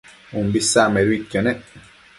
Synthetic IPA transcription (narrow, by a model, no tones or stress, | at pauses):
umbisːameɾwicːonɛ